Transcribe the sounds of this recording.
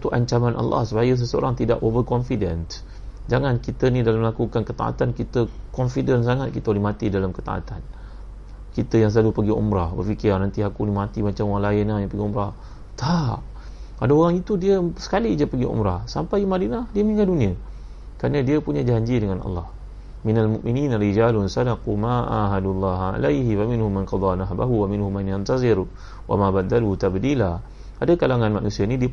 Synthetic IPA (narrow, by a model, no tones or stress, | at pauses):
t̪uʔaɲt͡ʃamãnʔa̰lːa̰hsəpajəs̬əsəo̰ɾaŋt̪ida̰ʔovərkɔnfidənt̪ | d͡ʒaŋankit̪ənidalaməlakukankət̪a̰ʔa̰t̪ankit̪əkɔnfidəns̬aŋat̪̚kit̪əolihmat̪idalamkət̪a̰ʔa̰t̪an | kit̪əjaŋs̬əlalupəɡiɔ̰mɾahbə̰rfikirnant̪iakunimat̪imat͡ʃamoɣaŋlaɪnahjaŋpəɡiumɾah | t̪aʔ | adaoɾaŋit̪udiəsə̥kalid͡ʒapəɡiṵmɾahsampajmadinahdiəmiŋɡaduniə | kaɾnadiəpuɲad͡ʒaɲd͡ʒidəŋanɑ̰lːɑh | minalmuʔminiːnaɾid͡ʒaːlʊnsadaqumaʔa̰ɦadulːɑːɦa̰lajɦiwamɪnhumːanqɑd̪ˤɑnaɦba̰ɦuwamɪnhumːanjant̪azɪɾ | wʔa̰mabad̪aluhut̪abd̪ila | adakalaŋanmaʔnusianidiə